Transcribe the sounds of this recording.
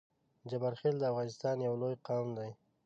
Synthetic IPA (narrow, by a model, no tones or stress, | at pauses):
d͡ʒabaɾxeld̪əafɣɑnɪst̪ɑnjawlojqɑwmd̪aj